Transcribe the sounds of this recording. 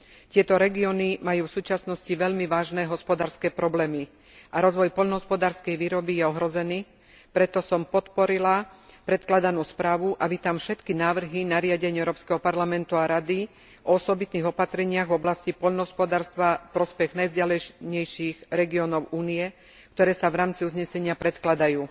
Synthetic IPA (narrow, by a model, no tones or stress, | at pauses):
t̪ɪɛt̪ɔɾɛɡiɔnimajuːfsuːt͡ʃasnɔsciʋɛʎmiʋaːʒnɛːɦɔspɔd̪aːɾskɛːpɾɔblɛːmi | aɾɔzʋɔjpɔʎnɔɦɔspɔd̪aːɾskɛjʋiːɾɔbijɛɔɦɾɔzɛniː | pɾɛt̪ɔsɔmpɔt̪pɔɾilapɾɛt̪klad̪anuːspɾaːʋuʔaʋit̪amfʃɛt̪kinaːʋr̩ɦinaɾɪaɟɛɲɪɛʊɾɔːpskɛɦɔpaɾlamɛnt̪uaɾad̪i | ʔɔɔsɔbit̪niːɣɔpat̪ɾɛɲɪaɣvɔblascipɔʎnɔɦɔspɔd̪aːɾst̪ʋapɾɔspɛɣnajzɟalɛɲɛjʃiːɣɾɛɡiɔnɔʊʔuːniɛ | kt̪ɔɾɛːsaʋɾaːmt͡siuzɲɛsɛɲɪapɾɛt̪klad̪ajuː